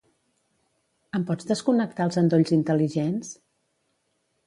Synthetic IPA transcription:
əmpɔd͡zðəskunək̚t̪aəlˠzənd̪oʎzint̪əliʒens

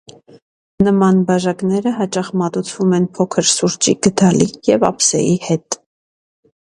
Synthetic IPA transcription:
nəmɑnbɑʒɑknɛɾəɦɑt͡ʃɑχmɑt̪ut͡sʰvumɛnpʰɔkʰəɾsuɾt͡ʃiɡ̥əd̪ʰɑlijɛvɑ̰psɛ̰ihɛt̪

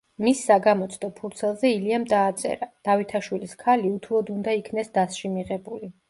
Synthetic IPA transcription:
misːaɡamɔt̪sʼd̪ɔpʰuɾt̪sʰɛlˠzɛiliamd̪aːt̪sʼɛ̰ɾad̪̥avit̪ʰaʃwiliskʰaliut̪ʰulˠɔd̪und̪aikʰnɛsd̪asʃimiʁɛbuli

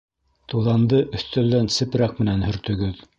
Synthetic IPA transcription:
t̪ulˠɑnd̪ɤʔɵ̆θt̪ælːænsɘ̆pɾæq̚mɘ̆nænhɵ̆ɾt̪ɵ̆ɡɵð

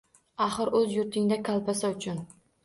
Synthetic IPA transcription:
aχɨɾɵzjʊɾt̪ʰɪŋd̪akʲʰalˠpasaʊt͡ʃʰʊn

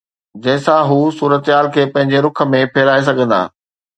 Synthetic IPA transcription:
d͡ʑɐ̃ɦɪ̃sãɦuːsuːɾət̪ɦaːlkʰeːpɐ̃ɦɪ̃ɲd͡ʑeɾʊkʰə̆mẽpʰeːɾaːes̬ɐɡʱə̃nd̪a̰ː

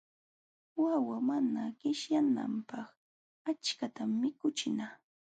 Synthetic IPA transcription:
wawamanaɢɪʃjana̰mpɑχ | at͡ʃkat̪amːɪkʊt͡ʃɪnaː

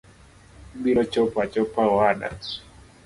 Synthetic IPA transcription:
biɾɔt͡ʃɔpat͡ʃɔpawaɗa̰s

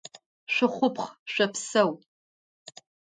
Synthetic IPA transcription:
ɕʷɪχʷʊpχɕʷɐpsɐw

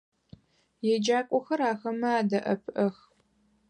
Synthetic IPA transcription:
jɛd͡ʒaːkʷʼɔxɐɾaːxɐmɐaːdɐʔɐpʰʔɐx

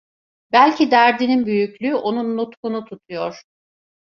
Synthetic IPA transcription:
bælʲcʰid̪æɾd̪ininbyjyclʲyːʔo̞nunːut̪kunut̪ʰut̪ʰujoɾ̥

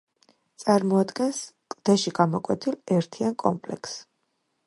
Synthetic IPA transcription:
t̪sʼaɾmɔad̪ɡɛnskʼd̪̥ɛʃiɡamɔkʼwɛt̪ʰilɛɾt̪ʰiankʼɔ̰mpʼlɛ̰kʰs

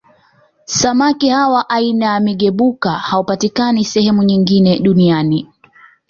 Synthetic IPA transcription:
samakihawaʔainamiɠɛɓukahaupatikanisɛhɛmuɲiŋɡinɛɗuniani

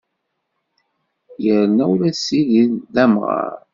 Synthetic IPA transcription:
jəɾnæwlæsiʝinðæmʁɑ̰ɾ

